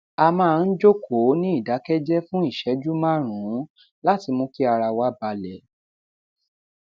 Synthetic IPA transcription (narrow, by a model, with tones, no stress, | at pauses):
a˧mãː˦˧n̩˦d͡ʒo˦kʰo˨˦nĩ˦i˦˨da˨˦kɛ˦d͡ʒɛ˦fũ˦i˦˨ʃɛ˨˦d͡ʒu˦mã˦˨ɾ̃ũ˨˦ | la˦ti˧mõ˧˦ki˦a˧ɾa˧wa˦ba˧lɛ˨˦